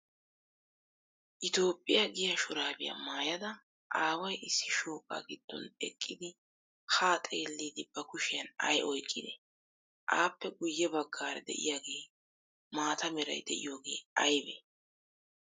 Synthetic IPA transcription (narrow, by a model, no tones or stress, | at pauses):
ʔɪt̪o̞ːpʼːɪjɐɡɪjɐʃʊɾaːbɪjɐ̰maːjɐd̪ɐ | ʔaːwɐjʔɪsːɪʃoːkʼːa̰ːɡɪd̪̥ːɔ̰nɛ̰kʼːɪd̪ɪ | haːt̪ʼe̞ːlːiːd̪ɪb̥ɐkʊʃɪjɐnɐ̰jʔɔjkʼːɪd̪ɛ | ʔaːpːɛɡʊjːɛbɐɡːaːɾɛd̪ɛ̰ʔɪ̰jaːɡe̞ː | maːt̪ɐmɪɾɐ̰jd̪ɛʔɪ̰jo̞ːɡe̞ːɐjbḛ